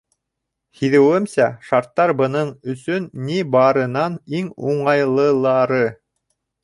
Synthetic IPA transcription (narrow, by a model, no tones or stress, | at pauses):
hiðɘ̆wɘmsæʃɑɾt̪ːɑɾbɤ̆nɤɴɵ̆sɵnːibɑɾɤ̆nɑniŋuɴɑjlˠɤ̆lˠɑɾɤ